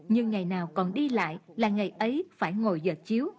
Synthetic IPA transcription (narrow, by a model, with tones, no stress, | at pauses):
ɲɨ˧ŋːa˨˩jnaː˨˩wkɔ˨˩nɗi˧la̰ː˧˨jlaː˨˩ŋa˨˩jʔə˨˦jfaː˧˩jŋo˨˩jzəː˨˩t̚t͡ɕi˨˦əw